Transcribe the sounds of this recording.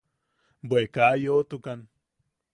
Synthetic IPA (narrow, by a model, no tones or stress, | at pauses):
bwekajot̪ukan